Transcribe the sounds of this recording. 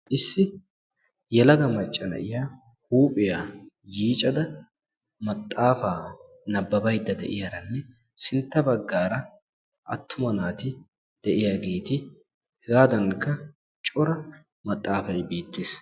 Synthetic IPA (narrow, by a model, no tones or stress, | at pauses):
ʔɪsːɪ | jɛlɐɡɐmɐt͡ʃʼːɐnɐ̰ʔɪjaː | huːpʼɪjaː | jiːt͡ʃʼɐd̪ɐ | mɐt̪ʼːaːfaː | nɐbːɐbɐjd̪ːɐd̪ɛ̰ʔɪjaɾɐnːɛ | sɪnt̪ːɐbɐɡːaːɾɐ | ʔɐ̰t̪ːʊmɐnaːt̪ɪ | d̪̥ɛʔɪjaɡe̞ːt̪ɪ | hɡaːd̪ɐŋkːɐ | t͡ʃʼɔɾɐ | mɐt̪ʼːaːfɐjbe̞ːt̪ːeːs